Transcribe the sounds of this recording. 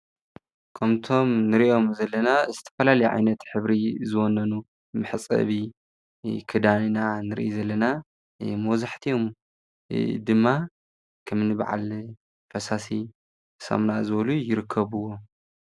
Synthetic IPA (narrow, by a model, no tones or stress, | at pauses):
kʰɐmt̪ʰo̞mnɨɾiʔo̞mzɐlːɐnazɨt̪ʰɐ̥fɐlalɐjʕa̰jnɐt̪ħɨβɾizɨwɔnɐnu | mɨħt͡sʼɐ̰βi | kʰɨd̪aninanɨɾ̰ʔizɐlːɐna | mɐwzaħt̪ʰio̞m | d̪ɨmːa | kʰɐmnɨba̰ʕa̰l | fɐsasi | sɐ̰mnazɨβlujɪɾɨkʰːɐβɨwːo